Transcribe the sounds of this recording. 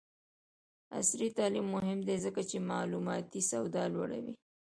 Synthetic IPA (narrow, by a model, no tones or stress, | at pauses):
a̰sɾit̪ɑlimːʊɦɪmd̪ezəkat͡ʃemɑlumɑt̪isawd̪ɑlwa̰ɽa̰wḭ